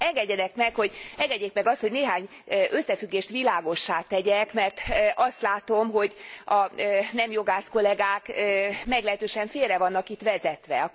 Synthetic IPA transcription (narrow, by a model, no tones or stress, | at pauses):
ɛŋɡɛɟːɛnɛkmɛkho̞ɟɛŋɡɛɟːeːkmɛɡɒst̪ho̞ɟneːɦaːɲ | ʔø̞sːɛfyɡːeːʃt̪ʋilaːɡo̞ʃːaːt̪ɛɟɛkmɛrt̪ʔɒst̪laːt̪o̞mɦo̞ɟɒnɛmjo̞ɡaːsko̞lɛɡaːkːmɛɡlɛɦɛt̪øːʃɛɱfeːrɛvɒnːɒkit̪ʋɛzɛt̪ʋɛ̰ɒ